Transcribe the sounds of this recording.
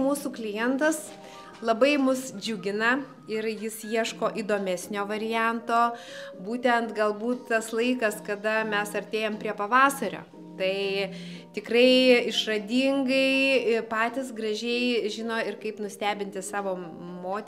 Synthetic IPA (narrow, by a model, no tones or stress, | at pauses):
muːsuːklʲɪjɛnt̪ɐs | lˠɐbɐɪmʊsd͡ʒʲʊɡʲɪnɐ | ɪɾjɪsjiɛʃkoːʔid̪oːmʲɛsʲnʲoːʋɐɾʲɪjænt̪oːbuːt̪ʲɛnt̪ɡɐlˠbuːt̪tɐslˠɐɪkɐskɐd̪ɐmʲɛsɐɾʲt̪ʲeːjoːmpʲɾʲiɛpɐʋɑːsɐɾʲo̰ː | t̪ɐɪ | t̪ʲɪkrɐɪɪʃrɐd̪ʲiːŋɡɐɪpɑːt̪ʲɪs̬ɡrɐʒʲɛɪʒʲɪnoːɪrkɐɪpnʊsʲt̪ʲæːbʲɪnʲt̪ʲɪsɑːʋoː | moːt̪ʲ